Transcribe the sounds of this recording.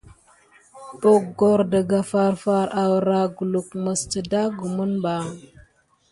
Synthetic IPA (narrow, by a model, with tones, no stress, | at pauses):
bo˨ɡo˦ɾdə˨ɡa˨fa˦ɾfa˦ɾʔa˨wɾa˨ɡu˨lu˨kmə˨stə˨da˦ɡu˨mu˦nba˨ŋ